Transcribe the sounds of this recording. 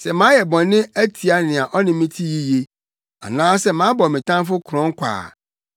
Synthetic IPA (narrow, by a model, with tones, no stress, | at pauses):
sɛ˨mãː˨˦jɛ˨bɔ̃˨nːɪ̃˦æ˦tʰi˨a˦nɪ̃˨a˨ʔɔ˦nɪ̃˦mĩ˦tʰi˦ji˦je˦ | a̰˨nãː˦sɛ˦mã˨˦bɔ˨mɪ̃˨tʰã˦m˦fʊ˦kʰɾɔ̃˦ŋ̩˦kʷʰa̰ː˨